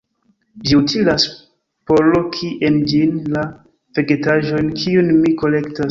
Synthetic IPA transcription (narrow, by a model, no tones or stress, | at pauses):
ʒiutʰilas | poɾlo̞kʰiʔend͡ʒinla | veɡetaʒo̞jnkʰiunmiko̞lekta